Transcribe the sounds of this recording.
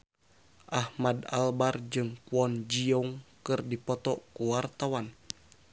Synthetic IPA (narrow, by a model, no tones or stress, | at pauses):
ʔahmada̰lbard͡ʒɨŋkuɔnd͡ʒiɔŋkɨrdipɔt̪ɔkuwart̪awan